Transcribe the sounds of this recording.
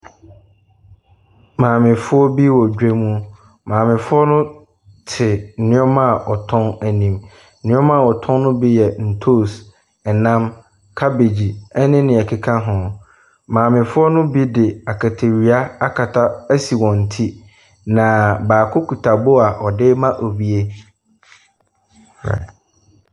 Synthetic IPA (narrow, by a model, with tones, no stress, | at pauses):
mãː˨mɪ̃˨fʊ˦ɔ˦bi˦wɔ˨d͡ʑᶣe˦mũ˦ | mãː˨mɪ̃˨fʊ˦ɔ˦nʊ̃˦ | tʰɪ˨nɪ̃˦ɔ˦ma˦˨ʔɔ˨tʰɔ̃˦næ˨nĩ˨m̩˦ | nɪ̃˦ɔ̃˦mã˦˨ɔ˨tʰɔ̃˦nnʊ̃˦bi˦jɛ˨n̩˨tʰo˦˨s | ɛ˨nã˦m | kʰa˦be˨d͡ʑi˨ɛ˦nɪ̃˦nɪ̃˨ɛ˨kʰi˨kʰã˦ɦʊ̃˨ | mãː˨mɪ̃˨fʊ˦ɔ˦nʊ̃˦bi˦dɪ˨a˨kʰa˨tʰe˨ɾi˨a˦a˦kʰa˨tʰa˦æ˦si˨wɔ̃˨n̩˨tʰi˦ | nã˨baː˨kʰʊ˦kʰu˨tʰa˨bo˦a˨ʔɔ˨dɪ˦mã˦ʔo˨bi˦e˦˨